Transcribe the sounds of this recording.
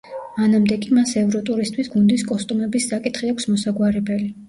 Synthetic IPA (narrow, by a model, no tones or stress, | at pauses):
manamd̪ɛkʼimasɛvɾɔt̪ʼuɾist̪ʰwisɡund̪iskʼɔst̪ʼumɛbisːakʼit̪ʰχiakʷʰsmɔsaɡwaɾɛbɛli